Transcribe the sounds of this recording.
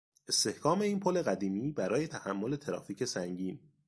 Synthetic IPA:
ʔe̞st̪e̞hkʰɒːme̞iːnpʰole̞ɣæd̪iːmiːbæɾɒːje̞t̪ʰæhæmːo̞le̞t̪ʰeɾɒ̰ːfiːcʰe̞sæŋɟiːn

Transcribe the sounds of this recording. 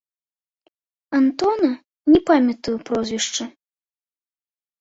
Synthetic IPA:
ɐnt̪ɔnɐ | nʲɛpamʲɐt̪ɨjupɾɔzʲvʲiʂt͡ʂɐ

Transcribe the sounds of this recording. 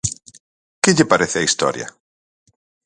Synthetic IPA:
kɪʎɪpaɾeθɪaist̪ɔ̰ɾjɐ̰

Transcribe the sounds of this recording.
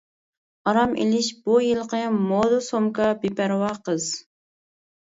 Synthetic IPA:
ɑɾɑmʔḛlɪʃbujilˠqɨmːod̪ʊsomkɑbipæɾwɑqəz

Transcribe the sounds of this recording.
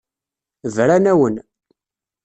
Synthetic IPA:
vɾanæwən

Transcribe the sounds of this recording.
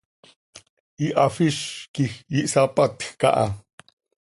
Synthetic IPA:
iʔafiʃkixjiʔsapat̪xka̰ʔa

